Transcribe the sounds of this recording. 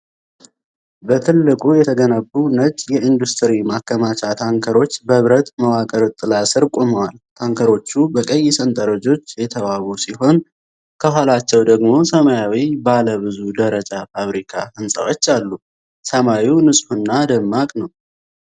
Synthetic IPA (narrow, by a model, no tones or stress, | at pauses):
bət̪ʰɨlːɨkʼujɛt̪ʰəɡənəbːunət͡ʃʼjɛind̪ust̪ʰəɾimakːəmat͡ʃʰat̪ʰaŋkʰəɾo̞t͡ʃːbəβɾət̪məwakʼəɾt̪ʼːɨlasɨɾkʼoməwalt̪ʰaŋkʰəɾo̞t͡ʃːubəkʼəjːɪsənt̪ʼəɾəd͡ʒo̞t͡ʃːjɛt̪ʰəβawusiɦo̞n | kʰəɦalat͡ʃːɛwd̪əɡmo̞səmajawibaləβɨzud̪əɾət͡ʃʼafaβɾikʰa̰ɨnsʼə̰wo̞t͡ʃːalːu | səmawiwnɨsʼfunːad̪əmːakʼnəw